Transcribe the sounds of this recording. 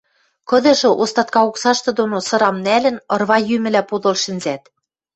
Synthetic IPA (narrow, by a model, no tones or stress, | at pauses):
kɤ̆d̪ɤ̆ʃɤ̆ʔost̪ɑt̪̚kɑuksɑʃt̪ɤ̆d̪onosɤ̆ɾɑmnælɘ̆nɤ̆rβɑjymɘ̆læpod̪ɤ̆lʃɘ̆nzæt̪